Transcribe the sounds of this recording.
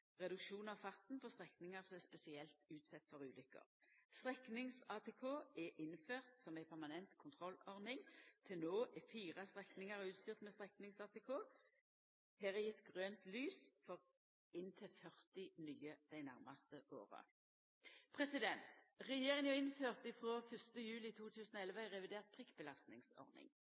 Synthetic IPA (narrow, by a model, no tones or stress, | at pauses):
ʁɛd̪ʉkʃuːnɑʋfɑt̪n̩pʰɔst̪ʁɛknɪŋɑʁsɔmɛspɛsɪɛlt̪ʉːt̪sɛt̪ːfɔʁʉːlʏkːə̰ʁst̪ʁɛknɪŋsɑːt̪ʰɛːkʰoːɛʔɪnːføːʁt̪sɔmæɪpʰæʁmɑnɛnt̪kʰʊnt̪ʰʁɔlɔʁnɪŋt̪ʰɪlnoːʔɛfiːʁɑst̪ʁɛknɪŋɑʁʉːt̪st̪yːʁt̪mɛst̪ʁɛknɪŋsɑːt̪ʰɛkʰoː | hæːʁɛjɪt̪ɡʁøːnt̪lyːsfɔʁ | ɪnt̪ʰɪlfœʁt̪ɪnyːəd̪̥æɪnæʁmɑst̪əʔo̰ːʁə̰ | pʰʁɛsɪd̪ɛnt̪ʁɛjeːʁɪŋənjʊɪnføːʁt̪ɪfʁoːfʏst̪əjʉːlɪt̪ʰuːt̪ʰʉːsnoːɛlʋəɪʁɛʋɪd̪eːʁt̪̚pʰʁɪkbəlɑst̪nɪŋsɔ̰ʁnɪ̰ŋ